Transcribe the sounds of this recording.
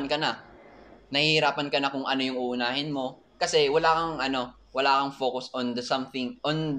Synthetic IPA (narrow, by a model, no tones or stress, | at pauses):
nkɐna | nɐhɪɾaːpɐnkɐnakʊŋʔɐno̞jʊŋʔuːʔʊnaːhɪnmo̞ | kɐsɛwɐlaːkɐŋʔɐno̞ | wɐlaːkɐŋfo̞ːkʊsʔõnd̪ɐsɐmθɪŋʔon